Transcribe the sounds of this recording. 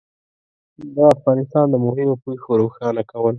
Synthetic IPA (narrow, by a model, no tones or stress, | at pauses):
d̪aafɣɑnɪst̪ɑnd̪əmʊɦɪmopoxoɾoxɑnakawəl